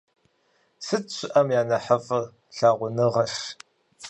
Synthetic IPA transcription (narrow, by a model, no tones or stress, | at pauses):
sɨtɕʷɪʔɐmjaːnɐħɐfʼɨr | ɬaːʁʷʊnɨʁɐʃ